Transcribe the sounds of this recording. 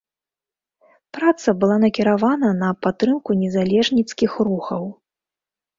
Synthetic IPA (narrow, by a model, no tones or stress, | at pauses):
pɾat̪sɐbɨlˠanɐkʲiɾavanɐnɐpat̪ːɾɨmkunʲɛzalʲɛʐnʲit̪skʲixɾuxɐw